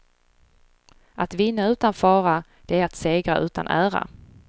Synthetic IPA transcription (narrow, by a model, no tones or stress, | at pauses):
at̪vɪnːaʉ̟ːt̪anfɑːɾad̪̥ɛæɾat̪seːɡɾaʔʉ̟ːt̪a̰nʔæːɾa̰